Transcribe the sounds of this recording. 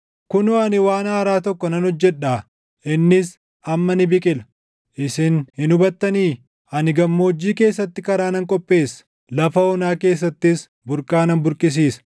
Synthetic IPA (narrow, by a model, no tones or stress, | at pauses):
kʊnoɐnɪwaːnaːɾaːt̪ɔkːɔnɐnɔd͡ʒːɛᶑaː | ʔɪnːɪs | ɐmːɐnɪbɪkʼɪlɐ | ʔɪsɪnhɪnʊbɐt̪ːɐniː | ɐnɪɡɐmːoːd͡ʒːiːke̞ːsːɐt̪ːɪkɐɾaːnɐŋkʼɔpʼːe̞ːsːɐ̥ | lɐfɐɔnaːke̞ːsːɐt̪ːɪs | bʊɾkʼaːnɐnbʊɾkʼɪs̬iːsɐ̥